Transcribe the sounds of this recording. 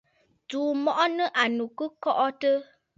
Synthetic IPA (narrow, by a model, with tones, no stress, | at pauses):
tuː˨mɔ˨ʔɔ˦nə˦ʔa˨nu˨kɨ˦kɔ˦ʔɔ˦tə˦